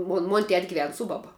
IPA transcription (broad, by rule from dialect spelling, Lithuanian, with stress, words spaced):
ˈmoːn moːnʲ tʲɛtʲ ɡʲɪˈʋʲɛn ˈsʊ bɐbɐ